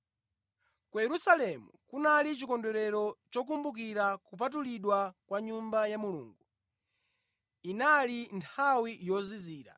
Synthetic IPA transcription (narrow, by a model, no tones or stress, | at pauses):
kujɛɾusalɛmṵkunalit͡ʃikɔndɛɾɛɾɔt͡ʃɔk̬umbuk̬iɾakup̬at̬uliɗwakwaɲumbajamulṵːŋɡu | inalintʰawijɔziziːɾa̰